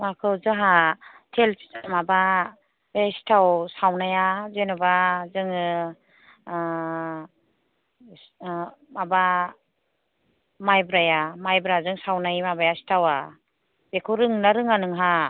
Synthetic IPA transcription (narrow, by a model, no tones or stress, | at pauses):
makʰɯwzɯɦa | tʰelmaba | esi̥tʰawsawnajazenabazɯŋ | maba | majbɾajamajbɾazɯŋsawnajmabajasi̥tʰawa | b̥ekʰɯɾɯŋnaɾɯŋanɯŋɦa